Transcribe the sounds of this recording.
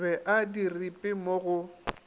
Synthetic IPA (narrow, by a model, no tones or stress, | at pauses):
ɛʔadiripʼɪmoɣʊ